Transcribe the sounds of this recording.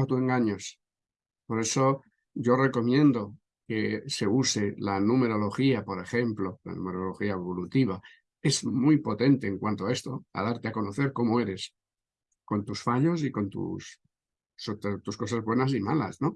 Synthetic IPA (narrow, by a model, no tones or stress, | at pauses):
t̪ue̞ŋɡaɲos | poɾe̞so̞ | ɟ͡ʝo̞re̞ko̞mjẽ̞nd̪o̞ | kese̞use̞lanũme̞ɾo̞lo̞xiapo̞ɾe̞xe̞mplo̞la̰nṵme̞ɾo̞lo̞xiaeβolut̪iβ̞a | e̞zmujpo̞t̪e̞nt̪e̞ːŋkwant̪oae̞st̪o̞a̰ð̞aɾt̪eako̞no̞θe̞ɾko̞moe̞ɾe̞s | ko̞nt̪usfaʎo̞s̬iko̞nt̪ṵs | ot̪t̪usko̞sazβwe̞nas̬imala̰sno̞